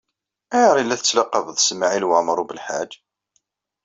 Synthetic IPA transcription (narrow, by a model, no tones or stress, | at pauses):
æjəɾˤilːæθət͡sːlɑqːɑvəðˤsmaʕilwəməɾˤubəlħad͡ʒ